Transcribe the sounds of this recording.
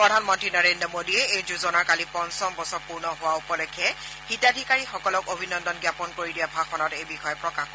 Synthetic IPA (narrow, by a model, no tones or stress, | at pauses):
pɹɔdʱanmɔntɹinɔɹendɹɔmodiɛejzuzɔnaɹkalipɔnsɔmbɔsɔɹpuɹnɔɦʊwaupɔlɔkʰːɛ | xitadʱikaɹixɔkɔlɔkobʱinɔndɔnɡjapɔnkoɹidijabʱaxʰɔnɔtejbixɔjɛpɹɔkaxɔ